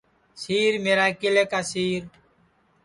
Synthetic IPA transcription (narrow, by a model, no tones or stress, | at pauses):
siːɾmeːɾaːkɪleːkaːsiːɾ